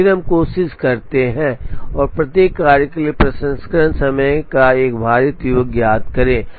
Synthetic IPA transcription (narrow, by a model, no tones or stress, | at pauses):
ɪɾəmkoːsɪskɐɾt̪eɦɛ̃ɔːɾpɾɐt̪jeːkːaːɾjəkeliepɾɐsə̃nskəɾənsɐməjkaeːkbʱaːɾjət̪juʋəɡjaːd̪̚kɐɾẽː